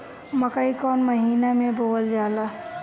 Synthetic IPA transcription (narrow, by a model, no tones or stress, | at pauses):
məkəikɔːnməɦiːnamẽbʱoːəld͡ʒaːla